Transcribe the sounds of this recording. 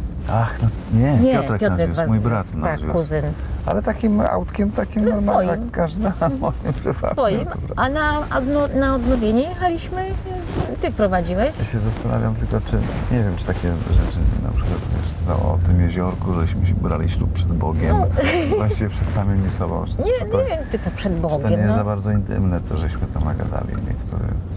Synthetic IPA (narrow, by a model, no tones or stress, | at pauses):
ʔaxnɔ | ɲɛɲɛjɔt̪ɾɛkjnazvumujbɾat̪naazvʲṵkːuzɘnalɛt̪akʲima̰wt̪kʲɛmt̪akʲimɔɾmalakːaʐd̪amɔjɛpɾɨva̰t̪ɔjimɔɾanad̪nɔnaɔd̪nɔvʲjeɲɛjɛxalʲiɕmɘ | t̪ɨfpɾɔvad͡ʑiwɛjjaɕɛzast̪ana̰vʲjamt̪ɘlkɔt͡ʂɘ̰ɲɛvʲjɛmt͡ʂɨ̥t̪akʲɛʐɛt͡ʂɘna̰pʂɘ̥kwat̪vʲjɛ̰ʂt̪ɔ̰ɔ̰t̪ɨmjeʑɔɾkuʐɛɕmɘɕɛbɾa̰lʲiɕluppʂɛd̪bɔɡʲɛmmvwaɕt͡ɕivʲɛpʂɛt̪samɘmisɔbɔ̰̃w̃ɲɲɛvʲjɛmʈ͡ʂɨt̪ɔpʂɛd̪bɔɡt̪ɔɛmɛzabaɾd̪zɔint̪ɘ̰mnɛt̪sɔʐɛɕmɘt̪amnaɡa̰d̪a̰lʲḭɲɛ̰kt̪ʰuɾɛ̰